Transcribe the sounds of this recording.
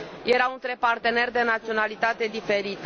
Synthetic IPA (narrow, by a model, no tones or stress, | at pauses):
je̞ɾaunt̪ɾe̞part̪e̞ne̞rʲd̪e̞nat̪sionalit̪at̪e̞d̪ife̞ɾit̪ə